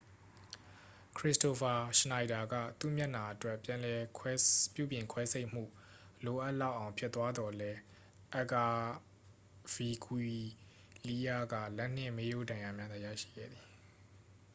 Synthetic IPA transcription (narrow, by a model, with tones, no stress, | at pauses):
kʰɹɪ˦sto˨fʰa˨ʃə˨na˨ɪda˨ɡä̰˦˨t̪ṵ˦˨mja˦ʔna˨ʔətwɛ˦pjã˨lɛ˨pjṵ˦˨bjɪ̃˨ŋkʰwɛ˦sʰe˦ɪʔm̥ṵ˦˨ | lo˨ʔa˦ʔla˦˨ʔːã˨ʊ̃pʰjɪ˦t̪ːwa˦d̪ɔ˨lɛ˦ | ʔa˦˨ka˨ | vi˨kʰwi˨ | li˦ja˦ɡä̰˦˨lɛ˦n̥ɪ̰̃˦˨me˦jo˦dã˨ja˨mja˦d̪a˦˨jä̰˦˨ʃḭ˦˨ɡɛ̰˦˨d̪ði˨